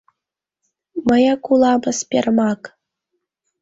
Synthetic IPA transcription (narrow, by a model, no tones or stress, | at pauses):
mɤ̆jɑkulˠɑbɤ̆spʲermɑk